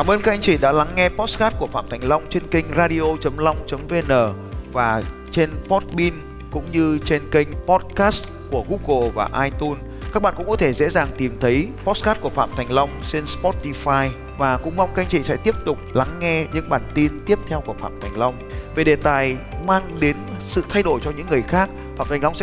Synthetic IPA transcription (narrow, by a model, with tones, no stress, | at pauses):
aː˧˩mʔəː˧nka˦˥k̚ʔa˧ŋt͡ɕḭ˧˩ɗa̰ː˧˥la˨˦ŋːɛ˧pɔ˦˥t̚skaː˦˥t̚ku˧˩əfa̰ː˧˨t̪ʰa˨˩ŋ̟la˧wŋ͡mt͡ɕe˧nkï˧jŋ̟zaː˧ɗi˧ʔo˧t͡ɕə˨˦mla˧wŋ͡mt͡ɕə˨˦mve˧nəː˧˩ | vaː˨˩ | t͡ɕe˧npɔ˦˥t̚ɓi˧n | kʊ̰˧˥ŋ͡mɲɨ˧t͡ɕe˧nkï˧jŋ̟pɔ˦˥t̚kaː˦˥st | ku˧˩əɣu˦˥ɣo˨˩vaː˨˩ʔaː˧jt̪u˧n | kaː˦˥k̚ɓa̰ː˧˨kʊ̰˧˥ŋ͡mkɔ˨˦t̪ʰe˧˩zḛ˧˥zaː˨˩ŋt̪i˨˩mt̪ʰə˨˦jpɔ˦˥skaː˦˥t̚ku˧˩əfa̰ː˧˨mt̪ʰa˨˩ŋ̟la˧wŋ͡mt͡ɕe˧nspɔ˦˥t̪i˧faː˧j | vaː˨˩kʊ̰˧˥ŋ͡mma˧wŋ͡mka˧jŋ̟t͡ɕḭ˧˨sɛ̰˧˥t̪i˦˥əp̚t̪ʊ˨˩k͡p̚la˨˦ŋːɛ˧ɲɨ̰˧˥ŋɓaː˨˩nt̪i˧nt̪i˦˥əp̚t̪ʰɛ˧wku˧˩əfa̰ː˧˨mt̪ʰa˨˩jŋ̟la˧wŋ͡mve˨˩ɗe˨˩t̪aː˨˩jmaː˧ŋɗe˨˦nsɨ̰˧˨t̪ʰa˧jɗo˧˩jt͡ɕɔ˧ɲɨ̰˧˥ŋːɨ˨˩əjxaː˦˥k̚ | faː˧˨mt̪ʰɛ˨˩ŋla˧wŋ͡msɛ˧˥